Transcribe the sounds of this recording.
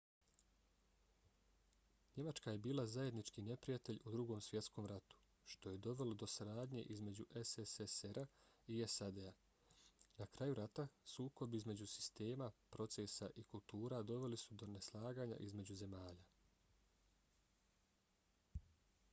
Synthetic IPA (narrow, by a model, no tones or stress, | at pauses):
ɲe̞mat͡ʃkaje̞biːlˠazaje̞d̪nit͡ʃkine̞pɾijat̪e̞ʎud̪ɾuɡo̞msʋje̞t̪sko̞ːmɾat̪u̥ | ʃt̪o̞je̞d̪o̞ʋe̞lo̞d̪o̞saɾaːd̪ɲe̞̰ʔizme̞d͡ʑuʔeseseseɾa | iesad̪ea | nakɾajuɾat̪asuːko̞biizme̞d͡ʑusi̥st̪e̞ːmapɾo̞t̪se̞saʔikulˠt̪uːɾad̪o̞ʋe̞lisud̪o̞neslˠaːɡaːɲa̰ʔizme̞d͡ʑuze̞maːʎa